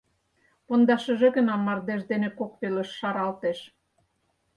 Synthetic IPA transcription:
pond̪ɑʃə̆ʒĕɣə̆nɑmːɑrd̪eʒd̪enekokpelə̆ʃːɑɾɑlt̪eʃ

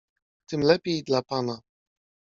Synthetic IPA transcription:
t̪ɘmlɛpʲjejd̪lapana

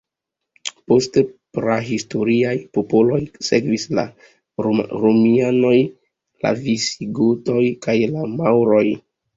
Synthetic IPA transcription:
po̞stepɾaɦisto̞ɾiajpo̞po̞lo̞jse̞kvisla̰ | ɾomiano̞j | la̰visiɡuto̞jkajlamawɾo̞j

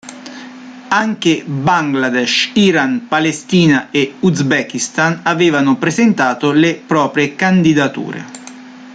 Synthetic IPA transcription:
aŋkebaŋɡlad̪ɛʃiɾanpalest̪iːnaeuzbɛkist̪anaveːvanʊpɾezent̪aːt̪olepɾɔːpɾjekand̪id̪at̪ṵːɾḛ

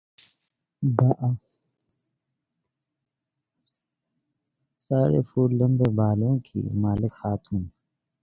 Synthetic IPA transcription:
baʔa | saːɾḛfuːɾlɐ̃mbeːbaːlõːkʰḭmaːlɪkxaːt̪ʰuːn

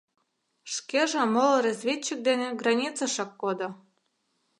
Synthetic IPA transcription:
ʃkeʒɑmolɤɾɑzʲvʲet͡ɕːik̚d̪enĕɡrɑnʲit͡sɑʃɑkːod̪ŏ

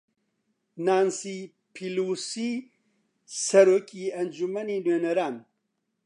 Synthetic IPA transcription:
naːnsi | pʰilusi | saɾokiand͡ʒumanineneɾan

